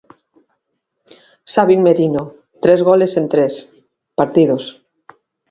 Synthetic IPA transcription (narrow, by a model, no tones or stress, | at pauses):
saβiŋmeɾino | t̪ɾezɣolesent̪ɾes | paɾt̪iðos